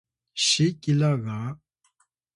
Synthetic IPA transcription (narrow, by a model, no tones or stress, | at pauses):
ɕikilaɣa